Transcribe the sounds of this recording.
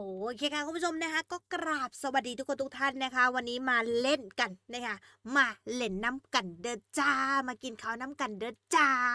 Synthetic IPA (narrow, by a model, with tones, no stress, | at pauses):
oː˨˩˧kʰeː˧˩kʰa˧˥ku˧˦pʰu˥t͡ɕʰo˧mna˦˥kʰa˦˥kɔː˥˩kɾaː˨˩p̚sa˧wa˨˩t̚diː˧t̪u˦˥kʰːo˧nt̪ʰu˥k̚t̪ʰa˥˩nːa˦˥kʰa˦˥wa˧nːiː˦˥maː˧le˥˩nka˧nːa˦˥˩kʰa˦˥ | maː˧le˨˦˩nːa˦˥mka˧˩ndɤː˧t̪t͡ɕaː˧˩maː˧ki˧nkʰa˨˦˩wnaː˦˥mka˧˩ndɤː˧t̪̚t͡ɕaː˧